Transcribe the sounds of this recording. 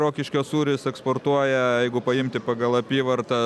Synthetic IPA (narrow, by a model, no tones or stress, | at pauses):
ɾoːkʲɪʃʲkʲoːsuːɾʲɪsɛksport̪uɔjɛjjɛɪɡʊpɐɪmʲt̪ʲɪpɑːɡɐlˠɐpʲiːʋɐrt̪ɐ